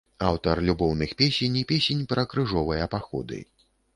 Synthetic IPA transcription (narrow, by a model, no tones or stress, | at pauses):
awt̪ɐrlʲubɔwnɨxpʲesʲenʲipʲesʲenʲpɾɐkɾɨʐɔvɨjɐɐpaxɔ̰d̪ɨ̰